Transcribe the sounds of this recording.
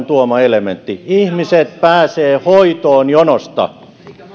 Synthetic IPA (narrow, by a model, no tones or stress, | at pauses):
nt̪uomɑelement̪ːiihmiset̪̚pæːseːhoit̪oːnjonost̪ɑ̰